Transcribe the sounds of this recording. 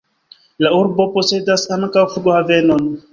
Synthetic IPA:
lauɾbo̞po̞se̞dasaŋkawfuɡohave̞no̞n

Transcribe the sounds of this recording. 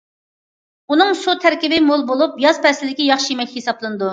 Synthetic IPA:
unɨŋsut̪ʰæɾkʲibɪmolˠbolˠupjɑz̥pʰɛslɪd̪ɪkʲijɑχʃijemɛkʲhesɑplˠɨnɨd̪u

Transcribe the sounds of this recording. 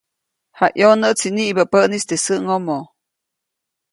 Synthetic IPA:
haʔjonət͡siniʔbapənist̪esəʔŋomo

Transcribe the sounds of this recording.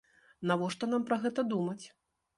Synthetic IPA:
navɔʂt̪ɔn̪ampɾɐɣɛt̪ɐd̪umɐt͡sʲ

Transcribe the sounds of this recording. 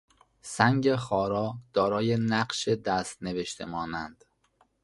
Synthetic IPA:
sæŋɟexɒːɾɒːd̪̥ɒːɾɒːjenæɢʃed̪æst̪neve̞ʃt̪ʰemɒːnænd̪̥

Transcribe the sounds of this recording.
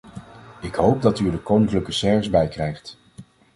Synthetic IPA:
ɪkɦowp̚dɑtyɹdəkownɪŋkləkəsɛɹvəzbɛjkrɛjχt

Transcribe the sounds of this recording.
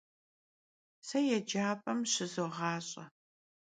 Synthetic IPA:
sɐjɛd͡ʒaːpʼɐmɕɪzɨʁɑːɕʼɐ̰

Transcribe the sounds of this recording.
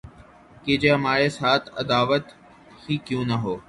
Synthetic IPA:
ked͡ʒeːɦəmaːɾesaːt̪ʰə̰d̪aːʋət̪ | hiːkjũːnəɦoː

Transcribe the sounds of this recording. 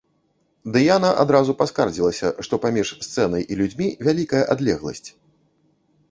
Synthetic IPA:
d̪ɨjanaʔad̪ɾazupaskard͡zʲilˠɐsʲɐʂt̪ɔpamʲiʂst̪sɛnɐjʔilʲud͡zʲmʲivʲalʲikɐjɐʔad̪lʲɛɣlˠɐ̰sʲt͡sʲ

